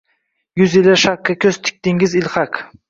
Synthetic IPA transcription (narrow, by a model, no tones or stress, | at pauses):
jʊzɪlaʃakːakʲʰɵz̥t̪ʰɪ̥k̚ʲt̪ɪŋɪzɪlχɑk